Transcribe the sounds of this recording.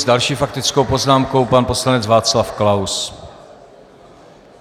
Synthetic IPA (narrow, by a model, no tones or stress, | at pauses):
zdalʃiːfak̚t̪ɪt͡skowpo̞znaːmko̞wpanpo̞slanɛd͡zvaːt͡slafklaws